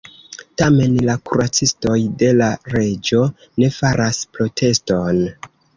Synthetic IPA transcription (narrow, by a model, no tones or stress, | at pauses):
tame̞nlakuɾat͡sisto̞jde̞laɾe̞d͡ʒo̞ | ne̞faɾʔaspɾo̞tʰe̞sto̞n